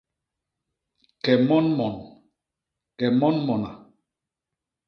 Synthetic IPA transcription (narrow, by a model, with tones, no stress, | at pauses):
kɛ˨mɔ˦nmɔ˨n | kɛ˨mɔ˦nmɔ˨na̰˨